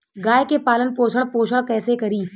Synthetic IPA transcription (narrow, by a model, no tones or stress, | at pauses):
ɡaːjkepaːlənpoːʃʰəɽpoːʃəɽkɛːsekɐɾiː